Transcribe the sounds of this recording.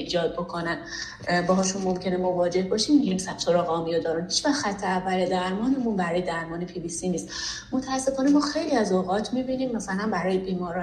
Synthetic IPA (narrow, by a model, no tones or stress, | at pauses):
iːd͡ʒɒːd̪̚bokʰonæn | bɛɦɒːʃunmomcʰe̞nemo̞vɒːd͡ʒe̞hbɒʃiːmːiɟimsæso̞ɾɒːɣeɒːmijed̪ɒːɾunhit͡ʃvæxxæt̪ʰːeævːæled̪æɾmɒːnemunbæɾɒːjed̪æɾmɒːnepʰivisiːniːst̪mot̪ʰæːsːefɒːnemɒːxe̞jliæzoɣɒːt̪ʰmibiːniːmːæsælænbæɾɒːjebiːmɒːɾɒ